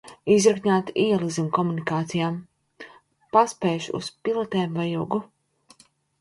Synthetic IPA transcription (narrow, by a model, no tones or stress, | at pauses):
izɾakɲʲaːt̪iɛlˠizimkɔmunikaːt̪sijaːm | paspɛːʃṵspilˠɔt̪ɛːmvajuɡu